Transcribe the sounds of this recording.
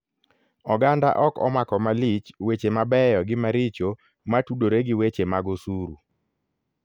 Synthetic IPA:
ɔɡanda̰ʔɔkɔ̰makɔmalit͡ʃwet͡ʃemabɛjɔɡɪmaɾit͡ʃo | matudoɾeɡɪwet͡ʃemaɡosuɾu

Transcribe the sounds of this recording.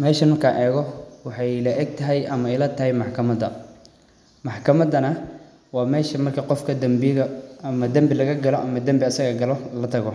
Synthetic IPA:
mɛːʃɐmɐrkʰa̰ʔɛːɣɔwɑħɑjlɐʔɛɡ̚t̪ʰɐɦɛjʔɐmɐɛjlɐt̪ʰɐɦɛjmɑħkʰɐmɐd̪ɐ | mɑħkʰɐmɐd̪ɐnɐ | wɑːmɛːʃɐmɐrkʰɐqɔfkʰɐd̪ɐmbɣɐɐmɐd̪ɐmbɪlɐɣɐɡɐlɔʔɐmɐd̪ɐmbɪɐsɐɣɐɡɐlɔlɐt̪ʰɐɣɔ

